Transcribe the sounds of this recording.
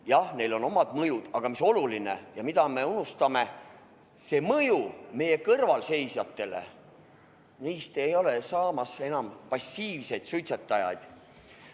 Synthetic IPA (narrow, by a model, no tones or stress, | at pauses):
jɑhne̞jlo̞no̞mɑd̪̥mɤjud̪̥ɑɡ̥ɑmiso̞luline̞̰jɑmid̪ɑme̞unust̪ɑme̞ | se̞ːmɤjume̞je̞kɤrvɑlse̞jsjɑt̪ːe̞le̞̰ | niːst̪e̞jo̞le̞sɑːmɑse̞nɑmpɑsʲːiːvse̞jd̪syt̪set̪ːˑɑjɑ̰jd̪̥